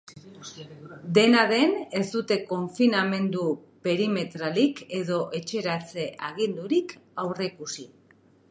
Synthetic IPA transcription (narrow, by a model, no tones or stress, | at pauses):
d̪e̞naðe̞ne̞zd̪ut̪e̞ko̞ɱfiname̞nd̪upe̞ɾime̞t̪ɾalike̞ðo̞ʔe̞t͡ʃe̞ɾat͡se̞ʔaɣ̞ind̪uɾikawre̞kusi